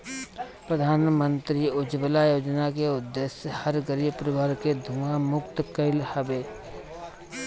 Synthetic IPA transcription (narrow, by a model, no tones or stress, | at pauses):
pɾəd̪ʱaːnmə̃nt̪ɾiʊd͡ʒbəlajoːd͡ʒnakeʊd̪ːesjəhəɾɡəɾibpɾɪbaːɾked̪ʱuamʊkt̪kəɪlhəbeː